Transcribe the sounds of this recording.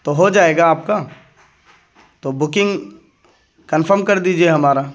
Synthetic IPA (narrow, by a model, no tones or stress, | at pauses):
t̪oɦod͡ʒaːeːɡaːp̚ka | t̪obʊkɪ̃ŋɡ | kənfʰəɾmkɐɾd̪iːd͡ʒieɦɐmaːɾa